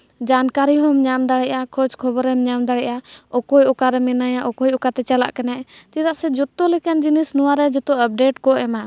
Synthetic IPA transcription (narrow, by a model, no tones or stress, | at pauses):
d͡ʒankaɾiɦɔmɲamd̪aɽɛʔakʰɔt͡ʃkʰɔbɔɾɛmɲamd̪aɽɛʔaɔkɔjɔkaɾɛmɛnajaʔɔkɔjɔkat̪ɛt͡ʃala̰ʔkɛnaʔt͡ʃid̪aʔsɛd͡ʒɔt̪ːɔlɛkand͡ʒinisnɔwaɾɛd͡ʒɔt̪ɔəp̚ɖeʈkɔɛma